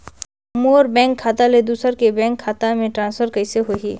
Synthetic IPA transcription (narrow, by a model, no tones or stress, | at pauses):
moːɾbɛ̃ːŋkʰːaːt̪aled̪uːsəɾkebɛ̃ːŋkʰːaːt̪amẽʈɾãːnsfʰəɾkɐɪseɦoɦiː